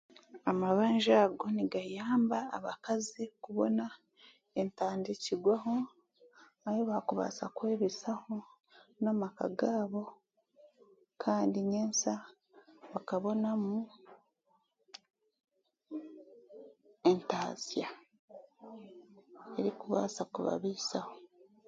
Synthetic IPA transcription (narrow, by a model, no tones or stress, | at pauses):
amaβaːɲʒaːɡo̞niɡajaːmba̰ːβakazikuβo̞̰na | e̞ntaːndiciɡwaɦo̞ | ahoβakuβa̰sakwe̞ːβisaho̞ | namaka̰ɡaːβo̞ | kʰaːndiɲeːnsa | βakaβo̞namu | e̞ntaːzja | e̞ɾikuβa̰sakuβa̰βiːsaho